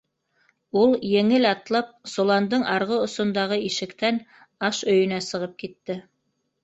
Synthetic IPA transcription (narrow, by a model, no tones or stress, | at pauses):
ulˠjɘ̆ŋɘlɑt̪lˠɑp̚solˠɑnd̪ɤɴʔɑɾʁɤŏsŏnd̪ɑʁɤiʃɘ̆kt̪æn | ɑʃɵ̆jɵ̆næsɤ̆ʁɤp̚kit̪ːɘ